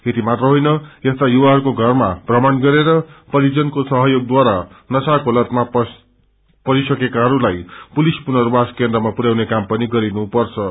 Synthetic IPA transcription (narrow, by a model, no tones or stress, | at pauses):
et̪imat̪rʌɦojnʌest̪ajuwaɦʌɾukoɡʱʌrmaprʌmanɡʌɾeɾʌpʌɾid͡zʌnkosʌɦʌjoɡ̚d̪waɾanʌsakolʌt̪map | pʌɾisʌkekaɦʌɾulajpulispunʌrbaskend̪rʌmapuɾjawnekampʌniɡʌɾinupʌrt͡sʰʌ